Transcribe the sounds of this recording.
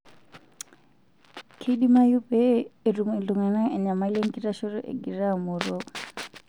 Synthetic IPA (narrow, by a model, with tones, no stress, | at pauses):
kʰi˦ɗi˦ma˦ju˦pɛː˦˨ru˨ŋɛ˨ndu˨ŋɛ˨na˦ɛ˨ɲa˨ma˨˦le˦ŋɡi˦ɾa˦ʃɔ˦ɾɔ˦ʔɛ̰˨ɡi˨ɾa˦˨mɔ˨ɾɔ˦